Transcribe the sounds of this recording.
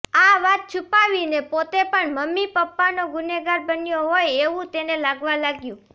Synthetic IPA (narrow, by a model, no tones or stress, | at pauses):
aʋat̪̚t͡ʃʰupaʋinepot̪epəɳməmːipəpːanoɡʊneɡaɾbənjoɦojeʋũt̪enelaɡʋalaɡjũ